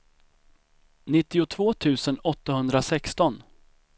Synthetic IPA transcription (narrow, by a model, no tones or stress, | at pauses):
nɪt̪ːɪʊt̪ʰvoːt̪ʰʉ̟ːsənɔt̪ːahɵnd̪ɾasɛkst̪ɔn